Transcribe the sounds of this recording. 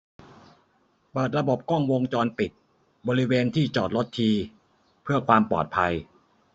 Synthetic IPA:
pɤː˨˩t̪̚ɾa˧bo˨˩p̚kɔ˥˩ŋwo˧ŋt͡ɕɔː˧npi˨˩t̪̚ | bɔː˧ɾi˦˥weː˧nt̪ʰiː˥˩t͡ɕɔː˨˩t̪̚lo˦˥t̪ʰːiː˧ | pʰɯ˥˩ɐkʰwaː˧mpɔ̰ː˨˩t̪̚pʰa˧j

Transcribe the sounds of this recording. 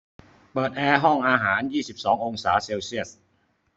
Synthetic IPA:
pɤː˨˩t̪̚ʔɛː˧ɦɔ˥˩ŋʔaː˧ɦaː˩˦˥njiː˥˩si˨˩p̚sɔː˩˦ŋʔo˧ŋsaː˩˦seː˧wsi˥˩ə˩s̚

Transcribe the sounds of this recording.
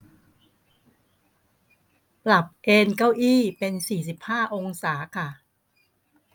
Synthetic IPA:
pla˨˩p̚ʔeː˧nka˥˩wʔiː˥˩pe˧nsiː˨˩s̬i˨˩p̚haː˥˩ʔo˧ŋsaː˩˦kʰa˥˩

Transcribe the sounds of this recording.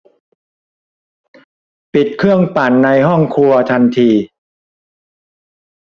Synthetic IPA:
pi˨˩t̪̚kʰɯ˥˩əŋpa˨˩nːa˧jɦɔ˥˩ŋkʰu˧ɐt̪ʰa˧nt̪ʰiː˧

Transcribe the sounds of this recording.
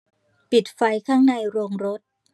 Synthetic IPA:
pi˨˩t̪̚fa˧jkʰaː˥˩ŋna˧jɾo˧ŋɾo˦˥t̪̚

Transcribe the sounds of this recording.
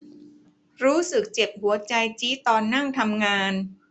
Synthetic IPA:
ɾuː˦˥sɯ˨˩k̚t͡ɕe˨˩p̚hu˨˩˦ɐt͡ɕa˧jt͡ɕiː˦˥t̪ɔː˧nːaː˥˩ŋt̪ʰa˧mŋaː˧n

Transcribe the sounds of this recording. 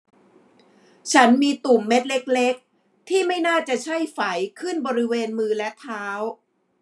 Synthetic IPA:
t͡ɕʰa˦˥nmiː˧t̪u˨˩mːe˦˥t̪̚le˦˥k̚le˦˥k̚ | t̪ʰiː˥˩ma˥˩jnaː˥˩t͡ɕa˨˩t͡ɕʰa˥˩jfa˩˦jkʰɯ˥˩nbɔː˧ɾi˦˥weː˧nmɯː˧lɛ˦˥t̪ʰaː˦˥w

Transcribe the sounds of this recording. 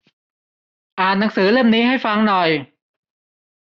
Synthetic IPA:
ʔaː˨˩nːa˩˦ŋsɯː˩˦ɾɯ˥˩mniː˦˥ha˥˩jfa˧˥˩ŋnɔ˨˩j

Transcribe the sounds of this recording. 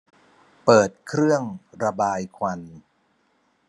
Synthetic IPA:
pɤː˨˩t̪̚kʰɾɯ˥˩əŋɾa˧baː˧jkʰwa˧n

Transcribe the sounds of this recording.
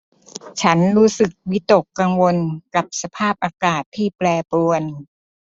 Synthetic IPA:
t͡ɕʰa˦˥nɾuː˦˥sɯ˨˩k̚wi˦˥t̪o˨˩kːa˧ŋwo˧nka˨˩p̚sa˧pʰaː˥˩p̚ʔaː˧kaː˨˩t̪ʰːiː˥˩plɛː˧pu˧ən

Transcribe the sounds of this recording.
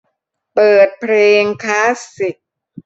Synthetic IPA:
pɤː˨˩t̪̚pʰɾeː˧ŋkʰaː˦˥ssi˨˩k̚

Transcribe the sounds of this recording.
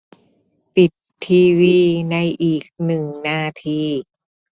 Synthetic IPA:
pi˨˩t̪ʰːiː˧wiː˧na˧jʔiː˨˩k̚nɯ˨˩ŋnaː˧t̪ʰiː˧

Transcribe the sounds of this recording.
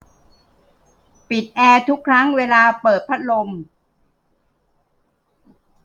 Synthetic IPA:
pi˨˩t̪̚ʔɛː˧t̪ʰu˦˥kʰɾa˦˥ŋweː˧laː˧pɤː˨˩t̪̚pʰa˦˥t̪̚lo˧m

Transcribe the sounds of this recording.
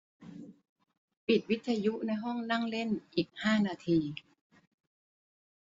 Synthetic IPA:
pi˨˩t̪̚wi˦˥t̪̚ʰaː˧ju˦˥na˧jɦɔ˥˩ŋna˥˩ŋle˥˩nʔiː˨˩k̚haː˥˩naː˧t̪ʰiː˧

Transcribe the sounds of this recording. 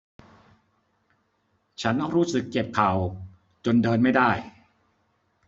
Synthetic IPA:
t͡ɕʰa˦˥nːɔː˥˩ŋɾuː˦˥sɯ˨˩kːe˨˩p̚kʰa˨˩w | t͡ɕo˧ndɤː˧nma˥˩jda˥˩j

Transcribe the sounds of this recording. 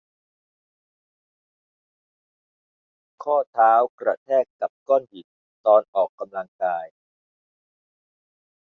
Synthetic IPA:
kʰɔː˥˩t̪ʰaː˦˥wkɾa̰˧t̪ʰɛː˥˩kːa˨˩p̚kɔː˥˩nhi˨˩t̪̚ | t̪ɔː˧nʔɔː˨˩kːa˧mla˧ŋkaː˧j

